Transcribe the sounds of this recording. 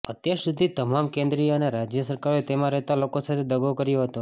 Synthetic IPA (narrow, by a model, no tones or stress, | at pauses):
ət̪jaɾsud̪ʱit̪əmamkẽnd̪ɾioneɾad͡ʒjəsəɾkaɾoet̪emãɾɛɦt̪alokosat̪ʰed̪əɡokəɾjoɦət̪o